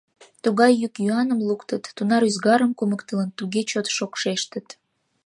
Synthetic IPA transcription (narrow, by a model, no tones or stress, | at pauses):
t̪uɣɑjːykjuɑnəmlukt̪ət̪ːunɑɾyzɡɑɾəmkuməkt̪ələnt̪uɣet͡ɕot̪ʃokʃeʃt̪ə̆t̪